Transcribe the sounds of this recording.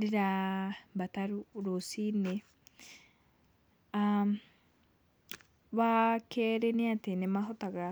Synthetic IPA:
ɾeɾabat̪aɾuɾosine | a | βakʰɛɾɛneat̪enemaɦɔt̪aɣa

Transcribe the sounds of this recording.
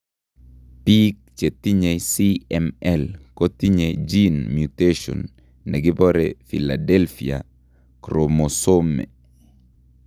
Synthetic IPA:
pik̚t͡ʃetiɲesiɛmɛlkɔtiɲed͡ʒinmjuteʃɔ̰nː | ɛɡɪbɔɾɛfila̰dɛlfḭa̰ | kɾomosomɛ̰

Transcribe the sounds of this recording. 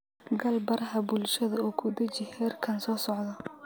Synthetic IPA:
ɡɐlbɐɾʔɐɦɐbʊlʃɐðɐɔːkʰʊd̪ɐt͡ʃɪhɛrkʰɐnsɔːsɔʕd̪ɐ

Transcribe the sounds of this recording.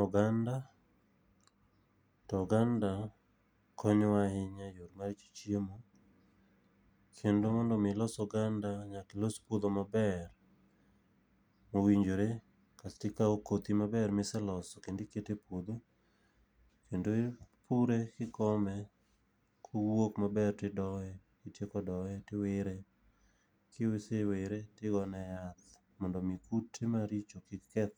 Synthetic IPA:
ɔɡanda | tɔɡanda | kʰɔɲɔwaɦɪɲajoɾmaɾt͡ʃi̥t͡ʃiemo | kʰendomɔndɔmɪlɔsɔɡandaɲakɪlɔspod̪omabɛr | mowiɲd͡ʒoɾe | kastɪkaokot̪imabɛrmɪsɛlɔsɔkendɪketepod̪o | kendopʰuɾekɪkɔmɛ | kʰowokmabɛrtɪdɔɛ | kɪtjekɔdɔɛtɪweɾe | kɪweseweɾetɪɡɔnɛjat̪ | mɔndɔmikutːɪmaɾit͡ʃokɪkkɛt̪

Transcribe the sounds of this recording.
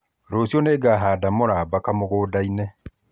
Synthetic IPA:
ɾosjɔneːɡaːɦaːdamoɾaːbakamoɣoːdainɛ

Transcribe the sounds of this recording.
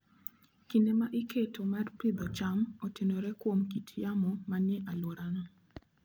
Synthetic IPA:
kindemaʔiketomarpɪd̪ɔt͡ʃamotenoɾɛkwomkitʰjamɔmanɛʔalwoɾanɔ

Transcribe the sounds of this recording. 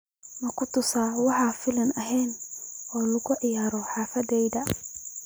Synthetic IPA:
mɐkʰʊt̪ʰʊsaːwɑħɑːfɪlɐnɐɦɛːnɔːlʊɣʊʕɪjaːɾɔħɑːfɐðɛjðɐ

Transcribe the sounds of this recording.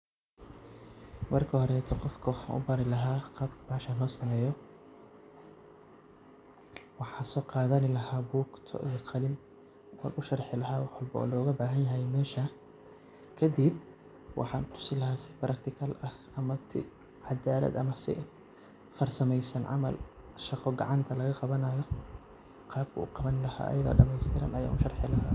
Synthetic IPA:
mɐrkʰɐhɔɾɛːt̪ʰɔqɔfkʰʊnʔʊ̰bɐɾɪlɐɦaːqɑːbkʰɐ̥baːʃɐlɔːsɐmɛːjɔ | wɑħɑːsɔːqɑːðɐnɪlɐhaːbuːkt̪ʰɔ̰ʔiqʰɑlɪn | ɔ̰ːɾʊʃɑrħɪlɐɦaːwɑħwɐlbɔ̰ɔ̰ːlɔːɣɐbaːɦɐnjɐɦɛjmɛːʃɐ | kʰɐd̪ib | wʔɑ̰ħɑːnt̪ʰʊ̥sɪlɐɦaːsɪbɾʔɐkt̪ʰɪkʰɐlɐh | ɐmɐt̪ʰɪ | ʕɑd̪aːlɐ̰d̪ɐmɐsɪ̰ | fɐrsɐmɛjsɐnʕɑ̰mɐ̰l | ʃɑqɔɡɑ̰ʕɑnt̪ʰɐlɐɣɐqɑβɐnajɔ | qɑːb̚kʰɐṵːqɑβɐnɪlɐha̰ːʔɐ̰jɐða̰ːɖɐmɛjst̪ʰɪɾɐ̰nʔɐja̰ːʔʊʃɑrħɪlɐɦaː

